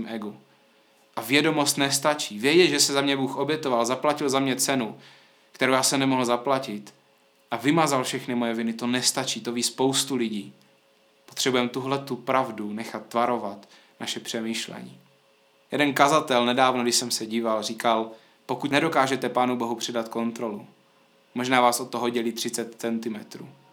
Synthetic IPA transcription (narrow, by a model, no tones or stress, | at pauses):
mʔɛɡu | ʔavjɛdo̞mo̞st̪nɛst̪at͡ʃiːvjɛɟɛlʒɛsɛzamɲɛbuːxʔo̞bjɛt̪o̞valzaplacɪlzamɲɛt͡sɛnu | kt̪ɛɾowjaːsɛmnɛmo̞ɦl̩zaplacɪt̪ | ʔavɪmazalfʃɛxnɪmojɛvɪnɪt̪o̞nɛst̪at͡ʃiːt̪o̞viːspo̞wst̪ulɪɟiː | po̞t̪r̝̥ɛbujɛmt̪uɦlɛt̪upɾavdunɛxat̪ːvaɾo̞vat̪ | naʃɛpr̝̥ɛmiːʃlɛ̰ɲḭː | jɛdɛnkazat̪ɛlnɛdaːvnoɡdɪʃsɛmsɛɟiːvalriːkal | po̞kut̪nɛdo̞kaːʒɛt̪ɛpaːnubo̞ɦupr̥ɛdat̪ko̞nt̪ɾo̞lu | mo̞ʒnaːvaːsʔo̞t̪ːoɦoɟɛliːt̪r̥ɪt͡sɛt̪t͡sɛnt̪ɪmɛt̪ɾṵː